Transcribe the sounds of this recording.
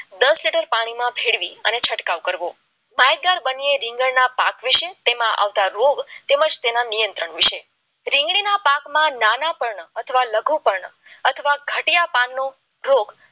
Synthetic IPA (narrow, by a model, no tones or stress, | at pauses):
d̪əsliʈəɾpaɽ̃imãbʱeɽʋiənet͡ʃʰəʈkaʋkəɾʋo | majɾ̚ɡaɾbənieɾɪ̃ŋɡəɭnapakʋiʃet̪emãʔa̰ʋt̪aɾoɡt̪eməd͡ʒt̪enanijənt̪ɾəɳʋiʃe | ɾɪ̃ŋɡɽinapakmãnanapəɾɳət̪ʰəʋaləɡupəɾɳ | ət̪ʰəʋaɡʱəʈijapanːo | ɾoɡ